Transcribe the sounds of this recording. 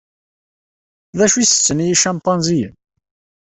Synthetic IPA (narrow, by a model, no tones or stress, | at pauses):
ðæʃisə̥t͡sːənijiʃɑmpɑnzijəm